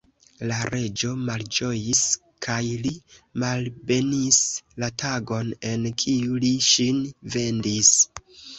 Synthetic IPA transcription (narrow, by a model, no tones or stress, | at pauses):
laɾʔe̞d͡ʒo̞mald͡ʒo̞jis | kʰajlimalbe̞nislatʰaɡo̞ne̞nkʰiuliʃinve̞ndis